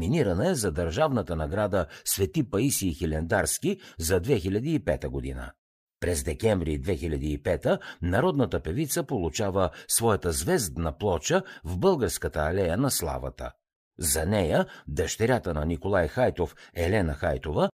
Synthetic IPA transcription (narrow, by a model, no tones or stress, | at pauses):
miniɾɐnɐɛzɐd̪ɐɾʒavnət̪ənɐɡɾad̪əsvɛt̪ipɐisiːxilʲɛnd̪aɾskizɐd̪vɛxilʲɐd̪iːpɛt̪əɡod̪inə̰ | pɾɛzd̪ɛkɛɱvɾid̪vɛxilʲɐd̪iːpɛt̪ənɐɾɔd̪nət̪əpɛvit̪səpolˠut͡ʃavəsvɔjɐt̪əzvɛzd̪nɐplˠɔt͡ʃəvbɤlˠɡəɾskət̪əːlɛjənɐslˠa̰və̰t̪ə̰ | zɐnɛjəd̪ɐʃt̪ɛɾʲat̪ənɐnikolˠajxajt̪ofɛlɛnɐxajt̪ovə